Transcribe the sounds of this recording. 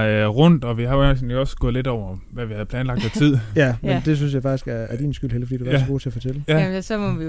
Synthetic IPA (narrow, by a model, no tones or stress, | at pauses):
ʁɔn̰d̥ɒ̽ʋihɑ̈snɒ̽sɡ̥ɔðˠle̝dɒʊɐʋæʋihæð̞̩ˠpʰlɛːnlɑ̈ɡ̥d̥æt͡sʰið̰ˠjæmend̥e̝s̬ynsjɑ̈fɑ̈ɡ̥isɡ̥æɐːɐɾ̥ḭːnsɡ̥yl̰heləfɒ̽dḭd̥ufɑsɡo̝ːt͡sʰe̝ɐfɒ̽t͡sʰelæsɒmɔʋi